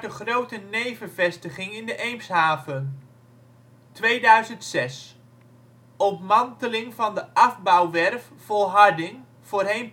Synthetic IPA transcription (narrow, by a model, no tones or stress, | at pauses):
dəχrowtənejvəvɛstəχɪŋɪndəʔejmsɦaːvən | tʋejdœɥzəntsɛs | ɔpmɑntəlɪŋvɑndəʔɑvbɑwʋɛrf | fɔlˠɦɑɹdɪŋ | v̥oːɹɦejn